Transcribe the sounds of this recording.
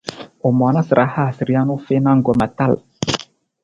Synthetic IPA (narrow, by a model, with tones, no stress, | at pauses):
o˨mɔ˨˦na˦sɾʔa˨˦ha˦˨si˨ɾi˦a˦no˦fe˦na˦ŋ˦ɡɔ˨ma˨ta˦˨l